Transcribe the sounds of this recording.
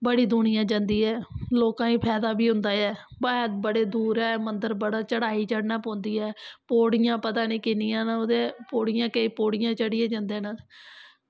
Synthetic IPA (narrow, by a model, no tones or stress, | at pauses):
bəɽiːd̪ʊɳɪjãːd͡ʒãːnd̪iːɦɛːloːkãːĩːpʰɛːd̪aːbiːɦʊ̃nd̪aːɛːbəːt̪̚bəɽeːd̪uːɾɛːmənd̪əɾbəɽaːt͡ʃəɽaːiːt͡ʃəɽnãːpõːnd̪iːɛːpoːɽjãːpət̪aːnĩːkɪnijãːnod̪eːpoːɽɪjãːkəiːpoːɽɪjãːt͡ʃəɽɪjãːd͡ʒãːnd̪eːna